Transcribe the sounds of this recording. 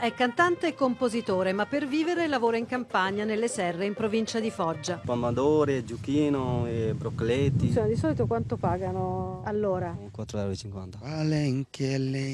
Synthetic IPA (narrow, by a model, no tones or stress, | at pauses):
ɛkːant̪ant̪eːkːompozit̪oːɾemapːerviːveɾelavoːɾoiŋkampaɲanelːesɛrːeimpɾovint͡ʃad̪ifɔd͡ʒːapamːad̪oːɾid͡ʒukiːnoebɾokːlet̪ːisoːnod̪isɔːlit̪okwant̪opaːɡanoalːoːɾakwat̪ːɾoɛɾit͡ʃiŋkwa̰nt̪aaleŋkʰelːe